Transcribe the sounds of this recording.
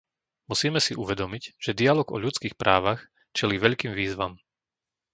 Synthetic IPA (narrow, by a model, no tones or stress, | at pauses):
musiːmɛsiʔuʋɛd̪ɔmiɟʒ̥ɛd̪ialɔɡɔ̰ʎut͡skiːxpɾʔaːʋax | t͡ʃɛliːʋɛʎkiːmʋiːzʋam